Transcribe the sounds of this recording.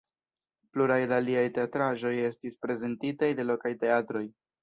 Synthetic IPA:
pluɾajdaliajte̞atɾaʒo̞je̞stispɾe̞ze̞ntitajde̞lo̞kajte̞atɾo̞j

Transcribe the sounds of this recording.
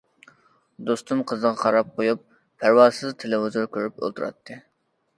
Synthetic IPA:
d̪ost̪umqʰəzəʁɑχɑɾɑp̚qojupːʰ | æɾwɑːsɨzt̪ʰelɪɦuzuɾkʲʰøɾypo̰lˠt̪ʰuɾɑ̰t̪ʰːɨ

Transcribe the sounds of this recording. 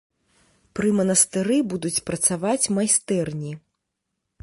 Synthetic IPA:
pɾɨmɐnɐst̪ɨɾɨbud̪ut͡sʲpɾɐt̪savat͡sʲmajst̪ɛrnʲi

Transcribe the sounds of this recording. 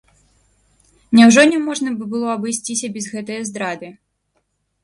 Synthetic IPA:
nʲɛwʐɔnʲɛmɔʐnɐbɨbɨlˠɔɐbɨjsʲt͡sʲisʲɐbʲɛzɣɛt̪ɐjɐzd̪ɾad̪ɨ

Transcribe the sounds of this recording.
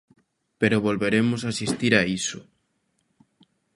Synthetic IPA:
peɾʊβolβeɾemʊs̬asist̪iɾaisʊ

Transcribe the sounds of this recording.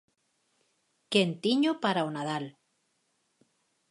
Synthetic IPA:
kent̪iɲopaɾaonaðal

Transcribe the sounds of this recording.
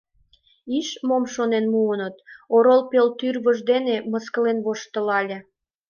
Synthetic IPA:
iʃmomʃonenmuənət̪oɾolpelt̪yrβəʒd̪eneməskəlenβoʃt̪ə̆lɑlʲĕ

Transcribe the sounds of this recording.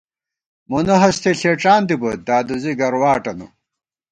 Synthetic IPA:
munɐɦɐst̪ʰeɬeːʈ͡ʂaːnd̪ibɐd̪aːd̪uziɡɐɾwaːʈɐnṵ

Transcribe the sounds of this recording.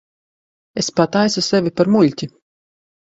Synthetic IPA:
espat̪ajsusevʲipaɾmulʲt̪ʲi

